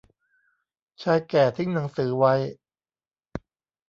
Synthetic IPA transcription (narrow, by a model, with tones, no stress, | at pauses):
t͡ɕʰaː˧jkɛː˨˩t̪ʰi˦˥˩ŋna˩˦ŋsɯː˩˦wa˧j